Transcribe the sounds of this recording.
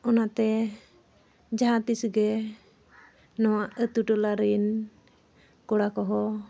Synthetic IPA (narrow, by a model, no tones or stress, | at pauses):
ɔnat̪ɛ | d͡ʒaɦat̪isɡɛ | nɔwaʔət̪uʈɔlaɾin | kɔɽakɔɦɔ